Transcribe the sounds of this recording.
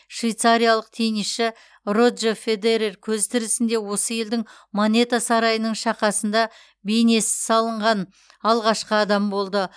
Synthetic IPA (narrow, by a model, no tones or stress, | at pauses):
ʃvijt̪saɾʲijalˠəq̚t̪ʰeniʃɪ | ro̞d̪ʒefe̞d̪eɾerkʲʰɵzt̪ʰɪɾɪsɪnd̪e̞wo̞səje̞ld̪ɪŋ | monʲe̞t̪asɑɾɑjənəɴʃɑqɑsənd̪ɑ | bejne̞sɪsɑlˠəɴʁɑn | ɑlˠʁɑʃqəɑd̪ɑmbo̞lˠd̪ə